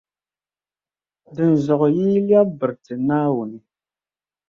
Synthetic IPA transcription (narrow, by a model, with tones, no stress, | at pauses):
də˨n˨zɔ˨qji˦lja˦bə˨ɾtə˨na˦wu˨ni˨